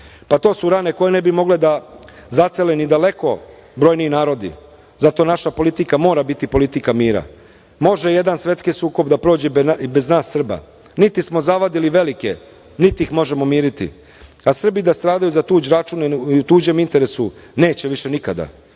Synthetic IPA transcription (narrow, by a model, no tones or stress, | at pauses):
pat̪o̞ːsuɾaːne̞ko̞jene̞bimo̞ɡled̪azat̪selenid̪ale̞ko̞ | bɾo̞jniinaːɾo̞d̪ḭ | zat̪o̞naʃapo̞lit̪ikamo̞ːɾabit̪ipo̞lit̪ikamiːɾa̰ | mo̞ʒeje̞d̪ansʋe̞t̪skisuːko̞bd̪apɾo̞ːd͡ʑɛbeznaːsːr̩ba̰ | nit̪ismo̞zaʋad̪iliʋe̞like̞ | nit̪iixmo̞ʒe̞mo̞miːɾit̪ḭ | asr̩bid̪ast̪ɾaːd̪ajuzat̪uːd͡ʑɾat͡ʃuniut̪uːd͡ʑe̞mint̪e̞ɾe̞sune̞ːt͡ɕeʋiʃe̞nikad̪a̰